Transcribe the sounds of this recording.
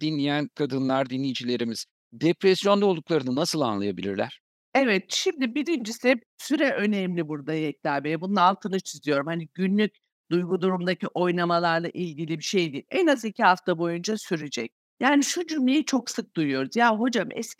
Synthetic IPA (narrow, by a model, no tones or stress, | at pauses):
d̪̥inlʲijænkʰad̪ɯnlˠaɾd̪inlʲijd͡ʒilʲe̞ɾimiz̥ | d̪epɾɛsjo̞nd̪aolˠd̪uklˠaɾɯnɯnasɯlˠa̰nlˠajabilʲḭɾlʲæ̰ɾ̥ | evɛt̪ʃimd̪ibiɾind͡ʒisɪ | syɾɛʔø̞nɛmlʲibuɾd̪ajɛc̚lʲæɾmejɛbununaːlˠt̪ʰɯnɯt͡ʃʰizijo̞ɾumhaniɟynlʲycʲ | d̪ujɡud̪uɾumd̪aciʔo̞jnamalˠaɾlˠa̰ʔilʲɟilʲibiʃe̞jd̪iːɛnazicʰiɦaft̪ʰabo̞jund͡ʒasyɾed͡ʒɛc̚ | jaːniʃud͡ʒymlʲejit͡ʃʰo̞ksɯk̚d̪ujujo̞ɾuzjaɦo̞d͡ʒamɛ̰s